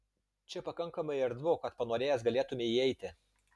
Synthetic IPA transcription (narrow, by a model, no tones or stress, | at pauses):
t͡ʃʲɛpɐkɐŋkɐmɐɪɐɾd̪ʋokɐt̪pɐnoːɾʲeːjɛs̬ɡɐlʲeːt̪ʊmʲeiɛɪt̪ʲɪ